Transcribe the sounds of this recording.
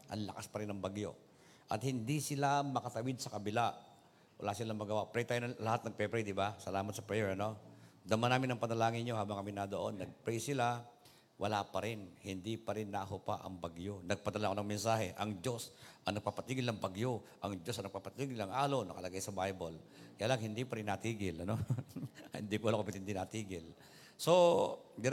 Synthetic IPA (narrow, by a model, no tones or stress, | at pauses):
ʔɐ̰nlɐkaspɐɾɪnɐŋbɐɡjo̞̰ | ʔɐt̪̚hɪnd̪isɪlamɐkɐt̪ɐwɪd̪̚sɐkɐbɪla | wɐ̰lasɪlaŋmɐɡɐwapɾɛjt̪aːjnɐlɐhat̪nɐɡ̚pɛpɾɛjd̪ɪbasɐlaːmɐt̪̚sɐpɾɛjɛɹɐno̞d̪ɐmanaːmɪnɐŋpɐnɐlaːŋɪnɲoɦaːbɐŋkɐmɪnad̪oʔo̞nːɐɡ̚pɾɛjsɪla | wʔɐlapɐɾɪnhɪnd̪ipɐɾɪnːaɦopaʔɐ̰ŋbɐɡjonɐɡ̚pɐd̪ɐlaʔkonɐŋmɛnsaːɦɛʔɐŋd͡ʒo̞sʔɐnɐɡ̚papɐt̪iːɡɪlnɐŋbɐɡjoʔɐŋd͡ʒosɐnɐɡ̚paːpɐt̪iːɡɪlɐŋʔaːlonɐkɐlɐɡajsɐbajbolkajaːlaŋhɪnd̪ipɐɾɪnːɐt̪iːɡɪlɐno̞ | hɪ̰nd̪iːkoʔɐlokompɪt̪ɪnd̪ɪnɐt̪iːɡɪl | so̞d̪ɪ